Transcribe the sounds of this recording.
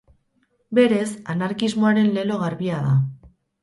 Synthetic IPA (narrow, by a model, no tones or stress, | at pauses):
be̞ɾe̞sanaɾkizmo̞aɾe̞nle̞lo̞ɣaɾβiaða